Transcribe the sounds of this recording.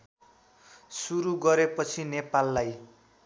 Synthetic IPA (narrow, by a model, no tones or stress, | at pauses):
suɾuɡʌɾepʌt͡sʰinepalːaj